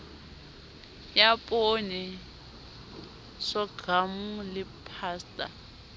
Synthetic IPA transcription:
japʼonɛ | ʂɔɡ̥ʱamulɪpʰaːstʼa̰

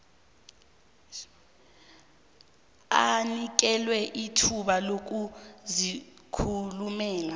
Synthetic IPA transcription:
anik̬ɛlwɛʔitʰuɓalok̬uzikʰulumɛːla

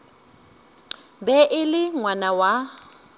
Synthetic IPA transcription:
bɛʔɪlɪŋwanawa

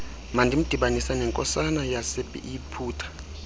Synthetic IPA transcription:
mandʱim̩d̥ʱiɓanisanɛŋkʼɔ̰sanajasepʼḭʔipʰuːtʰḁ

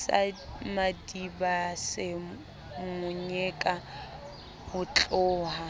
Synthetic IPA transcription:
sa̰madibasɪ | mʊɲɛkʼa | hʊt͡ɬʼɔːha

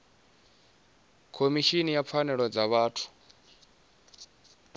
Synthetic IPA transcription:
kʰomiʃinijap̪fʰanɛɺɔd͡zaβaːtʰu̥

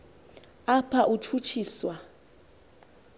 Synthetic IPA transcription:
apʰaʔut͡ʃʰut͡ʃʰiːswa

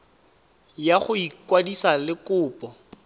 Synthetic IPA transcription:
jaχʊikwadisalɪkʊːpʼɔ

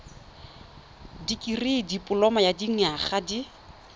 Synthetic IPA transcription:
dikʼiridipʼʊlɔmajadiŋ̩aχadi

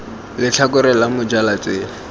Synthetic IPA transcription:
lɪt͡ɬʰakʊɾɛlamʊd͡ʒalat͡sʼeːlɪ

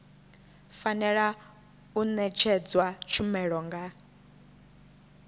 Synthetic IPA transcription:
fanɛɺa | unɛt͡ʃʰɛd͡zwat͡ʃʰumɛɺɔŋɡa

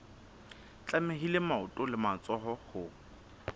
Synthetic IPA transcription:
t͡ɬʼamɪɦilemaʊtʼʊlɪmat͡sʼɔɦɔhʊ

